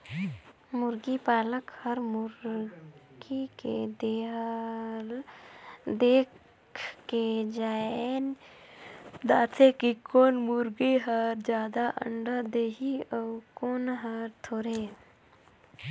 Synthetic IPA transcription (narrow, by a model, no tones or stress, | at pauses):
mʊɾɡipaːləkhəɾmʊɾ | ɡikḛd̪eɦ | l | d̪eːkʰ | ked͡ʒaːen | d̪aːt̪ʰekikoːnmʊɾɡiɦəɾd͡ʒjaːd̪aʔə̰ɳɖəd̪eːɦiɔkoːnɦəɾt̪ʰoːɾe